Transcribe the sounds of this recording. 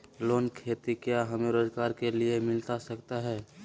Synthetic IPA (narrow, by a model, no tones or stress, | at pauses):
loːnkʰeːt̪ikjaɦɐmeɾoːzɡaːɾkeliemɪlt̪asəkt̪aɦɛː